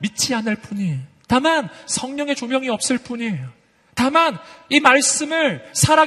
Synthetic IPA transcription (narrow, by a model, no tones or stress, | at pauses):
mit͡ɕʰianɯɭp͈uɲi | tamansʰʌŋɲʌŋe̞t͡ɕomjʌŋiʌp̚s͈ɯɭp͈uɲi | tamanimaɭs͈ɯmɯɭsʰaɾa